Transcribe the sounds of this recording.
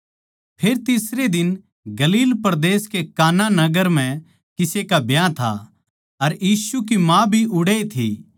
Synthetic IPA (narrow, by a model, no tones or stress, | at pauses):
pʰeːɾt̪ɪsɾed̪ɪn | ɡɐliːlpɐɾd̪eːskekaːnanɐɡəɾm̤ɛ̃ | kɪsekabjãt̪ʰa̰ | ɐɾjiːsuk̬imãbʱiʔʊɽeit̪ʰḭ